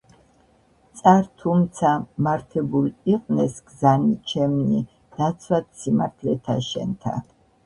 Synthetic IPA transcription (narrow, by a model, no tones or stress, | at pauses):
t̪sʼaɾt̪ʰumt̪sʰamaɾt̪ʰɛbuliqʼnɛsɡzanit͡ʃʰɛmni | d̪̥at̪sʰwat̪simaɾt̪ʰlɛt̪ʰa̰ʃɛ̰nt̪ʰa̰